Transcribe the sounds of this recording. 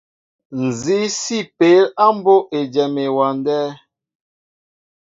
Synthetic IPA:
n̩˨zi˦si˦pe˨˦la˦m˦bo˦ʔe˨d͡ʒɛ˨me˨wa˨ndɛː˦

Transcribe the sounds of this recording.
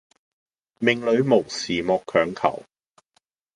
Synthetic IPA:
mɪ˨˧ŋlɵ˨˧˥ɥmo˨˩wsiː˨mɔː˧kʰːœː˨˧˥ŋkʰɐ̰˨˩w

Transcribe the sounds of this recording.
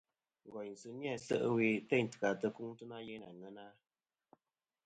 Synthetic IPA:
ŋ̩˨ɡɔ˨jn̩˨sɨ˦nja˦˨sə̰˦ʔə˦wi˦tɛ˦˨ɲ˨tɨ̥˨ka˨tə˧ku˦ŋtɨ˦na˦je˦na˨ŋə˦na˦

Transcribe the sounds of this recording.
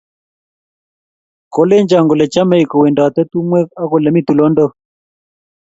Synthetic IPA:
kɔ˨˦lɛ˦ɲd͡ʒa˨ŋɡɔ˨lɛ˨t͡ʃa˦mɛ˨i˨kɔ˨wɛ˨nda˨wa˨t̪ɛ˦t̪u˦mwɛ˦a˦kɔ˨lɛ˨mi˦t̪u˨lɔ˦ndɔ˦˨

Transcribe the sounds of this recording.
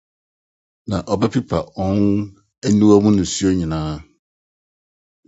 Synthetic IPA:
nã˨ʔɔ˨ba˦pʰi˦pʰa˨ɔ̃˦n | æ˦nũ˦a˦mʊ̃˦nʊ̃˨su˦o˦ɲĩ˨nãː˦

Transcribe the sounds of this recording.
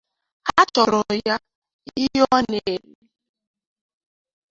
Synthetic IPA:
a˦tɔ˨ɾɔ˨ja˦ | i˦jɔ˦ne˨e˨le˦

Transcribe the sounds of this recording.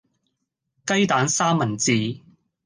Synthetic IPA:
kɐ˥jt̪aː˨˥nsaː˥mːɐ˨˩nt͡siː˨˧

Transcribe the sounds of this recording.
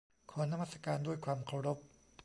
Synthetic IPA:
kʰɔː˩˦na˧maː˥˩sa˧kaː˧ndu˥˩əjkʰwaː˧mkʰa˧wɾo˦˥p̚

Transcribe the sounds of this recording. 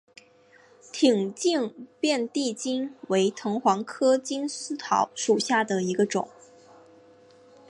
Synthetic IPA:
t̪ʰi˨˩ŋt͡ɕi˥˩ŋpjɛ˥˧nt̪i˥˩t͡ɕi˥nwe˧˥ɪt̪ʰɤ˧˥ŋxwɑ˧˥ŋkʰɤ˥t͡ɕi˥nsɹ̩˥t̪ʰɑ˧˥ʊʂu˨˩ɕja˥˩d̪ə˩i˧˥ɡə˧ʈ͡ʂʊ˨˩˦ŋ

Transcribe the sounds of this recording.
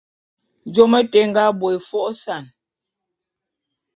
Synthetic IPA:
d͡ʒɔ˦mə˦tɛ˦ŋ˦ɡa˦bwɔ˨e˨fɔ˦ʔsa˨n

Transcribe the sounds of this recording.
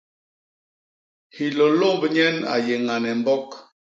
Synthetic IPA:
hi˨lo˨lo˦˨˦bə˨ɲɛ˦na̰˨je˨ŋa˨nɛ˨m˦bɔ˦k

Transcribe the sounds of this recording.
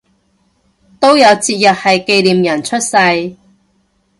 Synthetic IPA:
t̪o˥wjɐ˨˧wt͡siː˧t̚jɐ˨t̚hɐ˨jke˧jliː˨mjɐ˨˩nt͡ʃʰɵ˥t̚sɐ˧j

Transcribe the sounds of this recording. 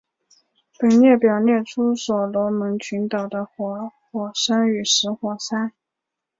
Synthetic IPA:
pə˨˩nnjɛ˥˩pjɑ˨˩ʊnjɛ˥˩ʈ͡ʂʰu˥swɔ˨˩lwɔ˧˥mə˧˥ŋt͡ɕʰy˧˥nt̪ɑ˨˩ʊd̪ə˦xwɔ˨˩xwɔ˨˩ʂa˥ny˨˩ʂɻ̩˧˥xwɔ˨˩sa˥n

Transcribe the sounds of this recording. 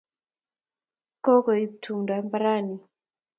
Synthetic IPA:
kɔ˦kɔ˨i˨tʰu˨ŋda˨mbɾa˦ni˨

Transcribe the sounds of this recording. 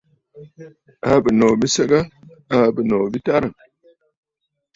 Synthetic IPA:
a˨˦bə˨no˨bi˦sɐ˦ɡa˦a˨bə˨no˨bi˦ta˦ɾa˨

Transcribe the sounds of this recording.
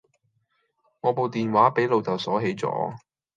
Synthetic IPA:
ŋɔː˨˧po˨˧wt̪iː˨˩nwaː˨˥pe˨˥jlo˨˧wt̪ʰɐ˨˩wsɔː˨˥ɦe˨˥jt͡sɔ̰ː˨˥

